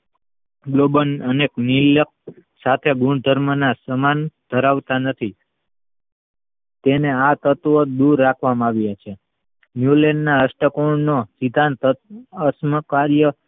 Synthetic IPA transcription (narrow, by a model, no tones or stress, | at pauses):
ɡlobənəneknilək̚ | sat̪ʰeɡũɳd̪ʱəɾmənasəmand̪̥ʱəɾaʋt̪anət̪ʰi | t̪eneat̪ət̪ʋəd̪uɾːakʰʋamaʋjat͡ʃʰe | njulennaəsʈəkoɳnosid̪ʱant̪əəsməkaɾjə